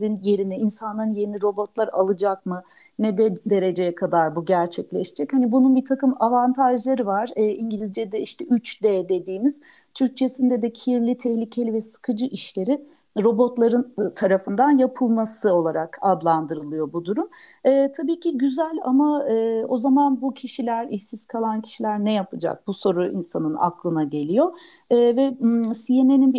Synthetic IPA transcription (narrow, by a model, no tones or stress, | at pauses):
inje̞ɾinɛinsanˠaɾɯnje̞niɾo̞bo̞t̪lˠaɾa̰lˠɯd͡ʒak̚mɯ | nɛd̪ɛd̪e̞ɾe̞d͡ʒejɛkʰad̪aɾbuɟæɾt͡ʃʰɛclʲɛʃe̥d͡ʒɛchanibununbit̪ʰakɯmavant̪ʰaʒlˠaɾɯvaɾ̥ɯːiɲɟilʲizd͡ʒɛd̪ɛiʃt̪ʰɛyt͡ʃd̪ɛd̪e̞d̪iːmiz̥ | t̪ʰyɾc̚t͡ʃʰe̞sind̪ɛd̪ɛcʰiɾlʲit̪ʰɛhlʲicʰe̞lʲivɛsɯ̥kʰɯd͡ʒɯʔiʃlʲe̞ɾɪ | ɾo̞bo̞t̪lˠaɾɯnt̪ʰaɾafɯnd̪anjapʰɯlˠmasɯo̞lˠaɾakad̪lˠand̪ɯɾɯlˠɯjo̞bud̪uɾumɯːt̪ʰabiːcʰiɟyzælʲa̰maɯːo̞zamanbucʰiʃilʲæɾisiz̥kʰalˠancʰi̥ʃilʲæɾnɛjapʰɯd͡ʒa̰k̚b̥uso̞ɾuʔḭnsanɯna̰klˠɯnaɟe̞lʲijo̞ | ɯːvɛsijene̞ninb